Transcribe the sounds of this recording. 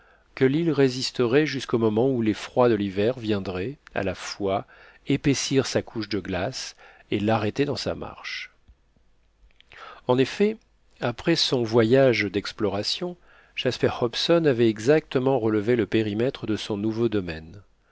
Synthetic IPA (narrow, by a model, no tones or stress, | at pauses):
kəlilʁezist̪əʁɛʒyskomɔmɑ̃ulefχwad̪əlivɛʁvjɛ̃d̪ʁɛa̰lafwa | epesiʁsakʰuʃd̪əɡlas | elaʁɛt̪ed̪ɑ̃sa̰ma̰ʁʃ | ɑ̃nefɛ | apχɛsɔ̃vwajaʒd̪ɛksplɔʁasjɔ̃ | ʒ̥aspɛʁhɔpsɔnavɛɛɡzak̚t̪əmɑ̃ʁələveləpeʁimɛt̪χəd̪əsɔ̃nuvod̪ɔmɛn